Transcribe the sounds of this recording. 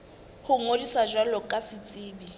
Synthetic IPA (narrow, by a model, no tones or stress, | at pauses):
hʊŋodisad͡ʒwalɔkʼasɪt͡sʼɪːbi